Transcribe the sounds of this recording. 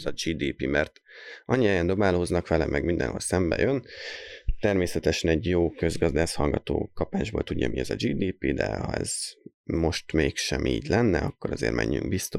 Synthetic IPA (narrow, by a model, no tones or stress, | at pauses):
zɒd͡ʒiːd̪iːpimɛrt̪ | ʔɒɲːiɛjɛnd̪o̞baːloznɒkʋɛlɛmʔɛɡmind̪ɛ̰nɦo̞̰lsɛmbɛjøn | t̪ɛrmeːsɛt̪ɛʃɛnɛɟjoːkø̞zɡɒzd̪aːʃhɒlɡɒt̪oːkɒpaːʒboːlt̪uɟːɒmiɛzɒd͡ʒiːd̪iːpid̪ɛ̰hɒ̰ɛ̰z̥ | mo̞ʃt̪meːkʃɛmʔiːɟlɛnːɛɒkːoɾɒzḛːrmʔɛ̰ɲːy̰ŋɡbist̪o